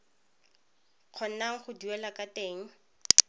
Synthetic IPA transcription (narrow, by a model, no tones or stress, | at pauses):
q͡χʰɔn̩naŋ̩χʊduwɛlakʼateːŋ̩